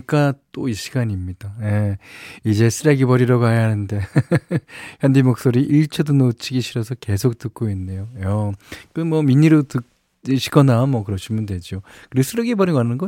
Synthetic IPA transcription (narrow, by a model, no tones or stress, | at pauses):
k͈at͈oiɕʰi̥ɡaɲimɲid̥aje̞id͡ʑe̞sʰɯɾeɡibʌɾiɾaɡoɦajaɦanɯnde̞ | çjʌndimok̚s͈oɾiʔiɭt͡ɕʰʌdonot͡ɕʰiɡiɕʰiɾʌsʰʌke̞sʰok̚t͈ɯk̚k͈oinːe̞joʌkomwʌmiɲːiɾotɯ | ɕʰi̥ɡʌnamwʌkɯɾʌɕʰimundwe̞d͡ʑio | kɯɾiɡosʰɯɾeɡibʌɾiɡoɦanɯnɡʌ